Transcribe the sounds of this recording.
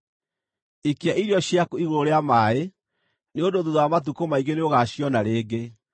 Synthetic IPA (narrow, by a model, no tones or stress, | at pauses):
ikeaʔiɾjɔɕjakoiɣoɾoɾeamaːe | neondoðuðɔamat̬ukomaiɣɡeneoɣaɕjɔnaɾeːɡe